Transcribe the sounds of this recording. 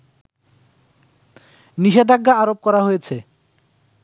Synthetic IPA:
niʃed̪aɡːaaɾop̚kɔɾaɦojet͡ɕʰe

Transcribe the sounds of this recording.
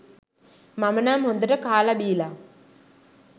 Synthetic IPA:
mɐmɐnaːmond̪ɐʈɐkaːlɐbiːlɐ

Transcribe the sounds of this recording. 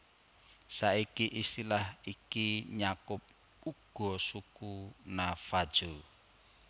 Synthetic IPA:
saikiʔisilahikiɲakʊp̚ | uɡ̥ɔ̤sukunafad̥d͡ʒ̥o

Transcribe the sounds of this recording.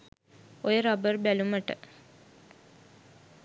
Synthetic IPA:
ojəɾabərbæluməʈə

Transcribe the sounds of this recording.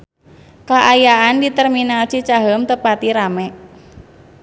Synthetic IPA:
kaʔajaandit̪ɛrminalsit͡ʃaɦəmt̪əpat̪iɾamɛʔ

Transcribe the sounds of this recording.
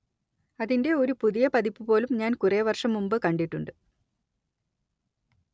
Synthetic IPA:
ɐðinde̞o̞ɾupuðijɐpɐðipːɨpo̞ːlumɲaːnkureːʋɐrʂɐmːumbɨkɐɳɖiʈːuɳɖɨ

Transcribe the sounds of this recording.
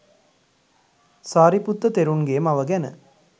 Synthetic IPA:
saːɾiput̪ːət̪eɾunɡeːmaʋəɡænə̰

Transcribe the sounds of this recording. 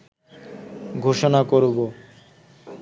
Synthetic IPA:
ɡʱoʃonakoɾbo

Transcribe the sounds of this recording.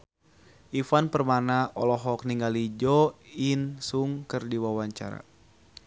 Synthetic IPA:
ʔifanpərmanaɔlɔɦɔk̚niŋɡalid͡ʒɔinsuŋkɨrdiwawaɲt͡ʃa̰ɾa̰

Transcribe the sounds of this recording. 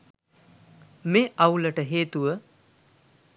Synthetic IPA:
meʔɐwləʈəɦeːt̪uʋə

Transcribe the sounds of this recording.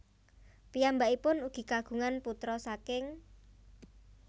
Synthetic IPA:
pijambaipʊnuɡ̥i̤kaɡ̥ṳŋanput̪ɾɔsakɪŋ

